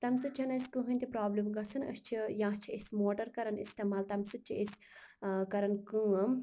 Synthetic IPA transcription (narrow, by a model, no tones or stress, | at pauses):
t̪ɐmsɨt͡ʃʰɐnɐsʲkɨɦɨnʲt̪ipɾaːblimɡɐsʰɐnɐ̰st͡ʃʰijãːt͡ʃʰiəsʲmoːʈɐɾkɐɾɐnist̪eːmaːlt̪ɐmsɨt̪̚t͡ʃʰiisʲ | kɐɾɐnkuːɐm